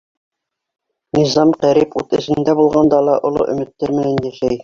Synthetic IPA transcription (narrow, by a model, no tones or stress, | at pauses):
nizɑmqæɾiput̪ɘ̆sɘ̆nd̪æbulˠʁɑnd̪ɑlˠɑʔŏlˠo̰ʔɵ̆mɘ̆t̪ːæɾmɘ̆nænjæʃæj